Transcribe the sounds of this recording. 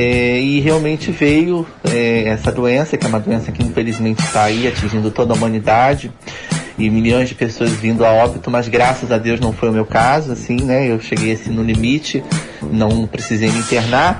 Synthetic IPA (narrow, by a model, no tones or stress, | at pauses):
ɛɪɦeawmẽnt͡ʃɪvejʊ | ɛɛsɐd̪uẽsɐkɪɛũmɐd̪uẽsɐkɪĩfelizmẽnt͡ʃɪ̥t̪aaiat͡ʃĩʒĩnd̪ʊt̪od̪ɐumɐ̃nid̪ad͡ʒɪ | ɪmiliõj̃zd͡ʒɪpesoɐzvĩnd̪ʊaɔbit̪ʊmɐzɡɾasɐzad̪ewznɐ̃w̃fojʊmewkazʊasĩnɛewʃeɡejasĩnʊ̃limit͡ʃɪ | nɐ̃w̃pɾesizejmɪĩt̪eɾnaɾ